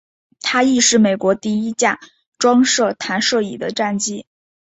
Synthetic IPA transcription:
t̪ʰa˥i˥˧ʂɻ̩˥˩me˨˩ɪkwɔ˧˥t̪i˥˩i˥t͡ɕja˥˩ | ʈ͡ʂwɑ˥ŋʂɤ˥˩t̪ʰa˧˥nʂɤ˥˩ḭ˨˩d̪ə˦ʈ͡ʂa˥˩nt͡ɕi˥

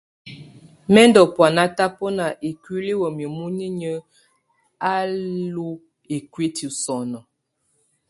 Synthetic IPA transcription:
mɛ˦ndɔ˨pwa˨na˦ta˦po˦na˨ʔe˨kwi˦li˦wə˨mi˨mu˦ni˦ɲə˦ | a˦lu˦ | e˨kwi˦ti˨sɔ˨nɔ˨

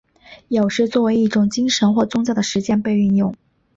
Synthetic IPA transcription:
jo˨˩ʊʂɻ̩˥˧t͡swɔ˥˩we˧˥ɪi˥˩ʈ͡ʂʊ˨˩ŋt͡ɕi˥ŋʂə˧˥nxwɔ˥˩t͡sʊ˥ŋt͡ɕjʊd̪ə˩ʂɻ̩˧˥t͡ɕjɛ˥˧npe˥˧ɪy˥˧njʊ˥˩ŋ

